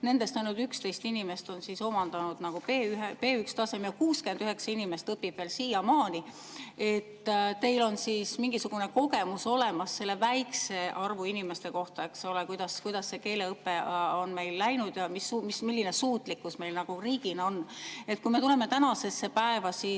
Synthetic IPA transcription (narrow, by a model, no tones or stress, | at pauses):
ne̞nd̪e̞st̪ɑjnult̪ykst̪e̞jst̪inime̞st̪o̞nsiso̞mɑnd̪̥ɑnud̪̥nɑɡ̥upeːyɦpe̞ːykst̪ɑsemjɑkuːskend̪yɦe̞ksɑinime̞st̪ɤpːib̥ve̞ːlsiːjɑmɑːnʲi | e̞t̪ːt̪e̞jlo̞nsiːsmiŋɡisuɡ̥une̞ko̞ɡe̞muso̞le̞mɑsːe̞lːe̞væjkse̞ʔɑrvuinime̞st̪e̞ko̞ht̪ɑe̞kso̞lekujd̪ɑskujd̪̥ɑsːe̞ke̞ːle̞ɤpːe̞o̞nme̞jlːæjnud̪̥jɑmisumismilːine̞suːt̪ˑlikːusme̞jlnɑɡ̥uriːɡ̥inɑo̞ne̞t̪̚kujme̞t̪ule̞me̞t̪ænɑse̞sːe̞pæe̞vɑsiː